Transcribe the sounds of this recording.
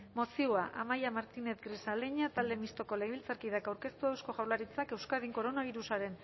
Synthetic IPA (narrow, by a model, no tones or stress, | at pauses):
mo̞siuaʔamajamaɾt̪ine̞t̪ɡɾisaleɲat̪ald̪e̞mist̪o̞ko̞leɣeβilt͡saɾkiðakawɾke̞st̪uewsko̞ʝawlaɾit͡sake̞wskaðiŋko̞ɾo̞naβ̞iɾusaɾe̞n